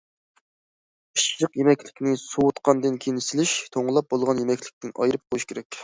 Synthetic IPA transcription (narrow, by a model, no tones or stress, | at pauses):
iʃləqjemɛkʲlɪ̥kʲnɪsuwut̪qʰɑnd̪ɨnkʲʰenɪsɪlɪʃt̪ʰoɴlˠɑp̚bolˠʁɑnjemɛkʲlɪ̥kʲt̪ɪnɑ̰jɾɨp̚qʰojuʃkʲeɾɛkʲ